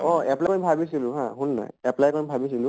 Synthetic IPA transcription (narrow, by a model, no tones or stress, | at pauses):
ɔɛplajkobʱabisilʊ̃ɦã̰ɦunːa̰jɛplajkonbʱabisilʊ̃